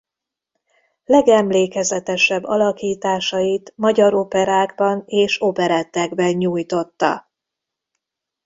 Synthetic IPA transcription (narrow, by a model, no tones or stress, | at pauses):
lɛɡɛmleːkɛzɛt̪ɛʃɛbːɒlɒkiːt̪aːʃɒjit̪mɒɟɒɾopɛɾaːɡbɒneːʃopɛɾɛt̪ːɛɡbɛɲɲuːjt̪o̞t̪ːɒ̰